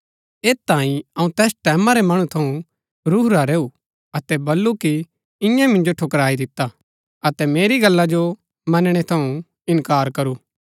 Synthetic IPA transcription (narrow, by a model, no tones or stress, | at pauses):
eːt̪ːãːĩɐũt̪ɛːsʈɛːmãɾemɐɽ̃ũt̪ʰɐũ | ɾuːɾaɾeːu | ɐt̪ɛbɐlːuki | ɪ̃jãmɪ̃nd͡ʒoʈʰokɾaːid̪ɪt̪ːa | ɐt̪ɛmeːɾiɡɐlːad͡ʒo | mɐnɽ̃et̪ʰɐũ | ɪ̃nkaːɾkɐɾuː